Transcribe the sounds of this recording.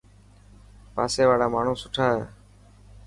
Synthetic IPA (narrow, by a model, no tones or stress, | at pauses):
pa̰ːseːʋaːɽaːmaːɳ̤ũːsʊʈʰaːɦeː